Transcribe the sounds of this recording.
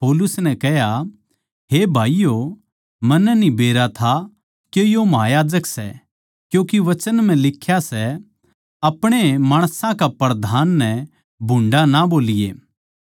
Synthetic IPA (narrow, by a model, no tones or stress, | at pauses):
poːlʊsnɛkɐɦja | ɦebʱaːijo | mɐnːnibeːɾat̪ʰa | kejomɐɦaːjaːd͡ʒəksɛ̰ | kjũːkiʋɐt͡ʃənm̤ɛ̃lɪkʰːjasɛ | ɐpɽ̃emaːɽ̃sãkapɐɾd̪ʱaːnːɛ | bʱʊ̃ɳɖanaboːlɪjḛː